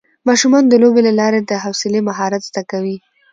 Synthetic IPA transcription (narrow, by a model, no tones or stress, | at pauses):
mɑʃumɑnd̪əlobelalɑɾed̪əɦawsɪlemaɦɑɾat̪zd̪akawi